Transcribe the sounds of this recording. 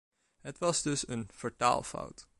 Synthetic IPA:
ɦətʋɑsdɵsənfəɹta̰ːlˠfɔ̰wt

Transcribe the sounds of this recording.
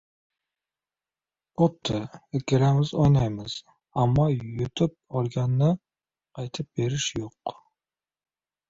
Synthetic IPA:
ot̪ʰːɪekʲeɾamɪzojnajmɪz̥ | amːɒjʊt̪ʰɪp̚ɒɾɡʲanːɪ | qʰɑjt̪ʰɪp̚be̞ɾɪʃjoq

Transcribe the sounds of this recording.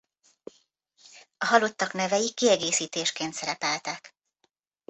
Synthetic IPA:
ɒɦɒlot̪ːɒknɛvɛjikːiɛɡeːsiːt̪eːʃkeːnt̪sɛɾɛpɛlt̪ɛk

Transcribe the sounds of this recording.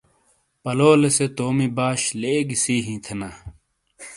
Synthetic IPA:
pɐloːleset̪oːmibaːɕleːɡisiːɦĩːt̪ʰenaː

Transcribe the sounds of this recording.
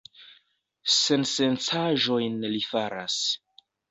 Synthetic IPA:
se̞nsent͡saʒo̞jnlifaɾas

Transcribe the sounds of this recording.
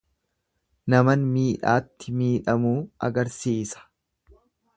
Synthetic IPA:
nɐmɐnmiːᶑaːt̪ːɪmiːᶑɐmuːɐ̰ɡɐɾsiːsɐ̥

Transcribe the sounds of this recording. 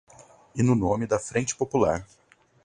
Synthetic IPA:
ɪnʊnõmɪd̪ɐfɾẽnt͡ʃɪ̥popula̰ɾ

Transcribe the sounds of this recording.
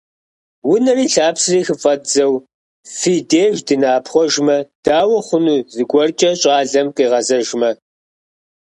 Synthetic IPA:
wʊnɐriːɬaːpsɨriːxɨfʼɐtzɐw | fiːdeːʒdɨnaːpʰχʷɔʒmɐd̥aːwɐχʷʊnuːzɨɡʷɔrt͡ʃʼɐɕʼɑːɮɐmqʼiːʁɐzɐʒmɐ

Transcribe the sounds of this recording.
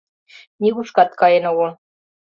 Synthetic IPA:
nʲiɣuʃkɑt̪̚kɑjĕnoɣo

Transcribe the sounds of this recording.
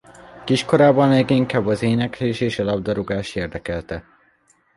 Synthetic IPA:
kiʃko̞ɾaːbɒnlɛːɡiŋkaːbːɒzeːnɛkleːʃeːʃɒlɒb̚d̪ɒɾoɡaːʃeːrd̪ɛkɛlt̪ɛ

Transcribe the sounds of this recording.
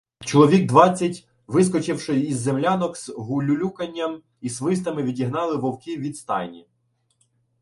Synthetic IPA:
t͡ʃɔlˠɔʋʲiɡd̪ʋɑt͡sʲːɐtʲ | ʋɪs̬kɔt͡ʃɪwʃɪizːemlʲanɔkz̥ɦʊlʲʊlʲukɐnʲːɐm | isʋɪst̪ɐmɪʋʲidʲiɦnɑlˠɪʋɔwkʲiʋʲid̪st̪ɑ̰jnʲi

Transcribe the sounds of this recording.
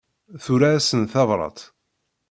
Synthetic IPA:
θuɾaːsənθɑvɾˤɑ̰t̪ˤ

